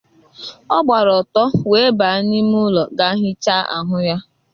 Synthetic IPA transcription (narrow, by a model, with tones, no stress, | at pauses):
ɔ˦ɡ͡ba˨ɾɔ˨tɔ˦we˨˦ba˨˦a˦ni˦m˦ʊ˦lɔ˨ɡa˦ɦɪ˦t͡ʃa˦ʔa̰˨ɦʊ˦ja˦